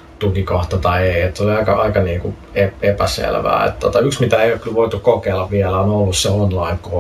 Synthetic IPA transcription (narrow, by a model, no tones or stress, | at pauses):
t̪ukikoht̪ɑt̪ɑieiet̪ːoliɑikɑʔɑikɑniːŋku | eepæsḛlʋæ̰ːḛt̪t̪ːot̪ɑyksmit̪æeˑioˑkylʋoit̪ukkokeːlːɑʋʋiɛlæonolːusseonlɑiŋko